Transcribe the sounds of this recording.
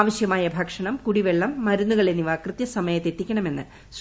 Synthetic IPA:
ʋɐɕjɐmaːjɐbʱɐkʂɐɳɐmkuɽiʋeɭːɐmːɐɾunːuɣɐɭenːiʋaːkrɨt̪jɐsɐmɐjɐt̪ːe̞tːikʲːɐɳɐme̞nːɨ̰ | s

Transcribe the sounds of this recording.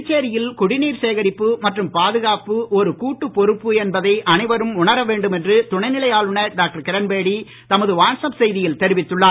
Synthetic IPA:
t͡ʃːeːɾɪjɪlkʊɽɪniːɾseːɣɐɾɪpːɯmɐʈrɯmpaːðɯɣaːpɯɔɾɯkuːʈːɯpːɔɾɯpːɯɛnbɐðɐɪʔɐnɐɪʋɐɾɯmʊɳɐɾɐʋeːɳɖɯmɛndrɯt̪ʊɳɐɪnɪɭɐjaːɭɯɳɐɖaːk̚ʈɐɾkɪɾɐnbeːɽi | t̪ɐmɐðɯʋaːɳsɐmsɛjðɪjɪlt̪ɛɾɪʋɪt̪ːɯɭːaː

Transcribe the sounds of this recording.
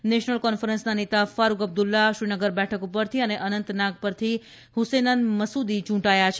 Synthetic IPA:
neʃnəlkɔnfəɾənsnanet̪afaɾuɡəb̚d̪ulːaʃɾinəɡəɾbɛʈʰəkupəɾt̪ʰiəneʔənənt̪naɡ̚pəɾt̪ʰi | husenanməsud̪it͡ʃũʈajat͡ʃʰe

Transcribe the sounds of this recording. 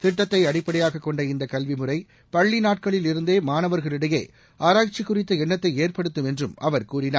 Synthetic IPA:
t̪ɪʈːɐt̪ːɐɪɐɽɪpːɐɽɐjaːɣɐkːɔɳɖɐɪnd̪ɐkɐlʋɪmɯrɐɪ | pɐɭːinaːʈ̚kɐɭɪlɪɾɯnd̪eːmaːnɐʋɐɾɣɐɭɪɽɐjḛː | ʔaːɾaːt͡ʃɪkːʊrɪt̪ːɐɛɳːɐt̪ːɐɪeːrpɐɽɯt̪ːɯmɛndrɯmɐʋɐɾkuːrɪnaː

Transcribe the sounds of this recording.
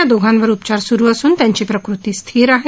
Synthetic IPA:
ad̪oɡʱãnʋəɾupt͡ɕaɾsuɾuːəsuːnt̪jãɲt͡ɕipɾəkɾut̪iːst̪ʰiːɾaɦe

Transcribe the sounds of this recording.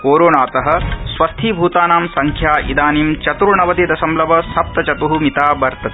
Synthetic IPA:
koːɾoːnaːt̪ɐɦɐ̆sʋɐst̪ʰiːbʱuːt̪aːnaːmsɐŋkʰjaːʔḭd̪aːniːmt͡ʃɐt̪ɾuɳɐʋɐt̪id̪ɐsɐmlɐʋɐsɐp̚t̪ɐt͡ʃɐt̪uɦumit̪aːbɐɾt̪ɐt̪e̥

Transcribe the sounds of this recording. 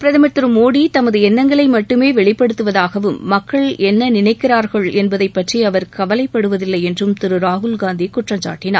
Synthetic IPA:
pɪɾɐðɐmɐt̪ːɯɾɯmoːɽit̪ɐmɐðɯɛnːɐŋɡɐɭɐɪmɐʈːɯmeːʋɛɭɪpːɐɽɯt̪ːɯʋɐðaːɣɐʋɯmːɐkːɐɭɛnːɐnɪnɐɪkːɪɾaːɾɣɐɭɛnbɐðɐɪpːɐʈriɐʋɐɾkɐʋɐlɐɪpːɐɽɯʋɐðɪlːɐɪɛndrɯmt̪ɪɾɯɾaːɦʊlɡaːnd̪ikʊʈrɐɲt͡ʃa̰ːʈːɪna̰ːɾ

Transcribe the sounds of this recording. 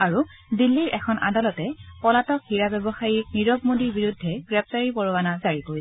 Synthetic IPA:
aɹu | dilːiɹʔɛkʰɔnʔa̰dalɔtɛpɔlatɔkhiɹabɛbɔxajiɹniɹɔb̚modiɹbiɹudʱːɛɡ̥ɹɛp̚taɹipɔɹɔwanazaɹikoɹiɛ

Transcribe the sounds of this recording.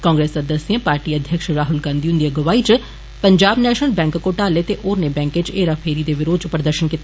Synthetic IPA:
kãːŋɡɾeːsəd̪əsijãːpaːɾʈiːəd̪ʱjəkʃɾaːɦʊlɡãːnd̪iːʊnd̪iaɡəʋaːit͡ʃ | pəɲd͡ʒaːbnɛːʃəlbɛ̃ːŋkkoːʈaːleːt̪eːʔoːɾneːbɛ̃ːŋket͡ʃeːɾaːpʰeːɾiːd̪eːʋɪɾoːd̪t͡ʃʊpəɾd̪əɾʃənkiːt̪

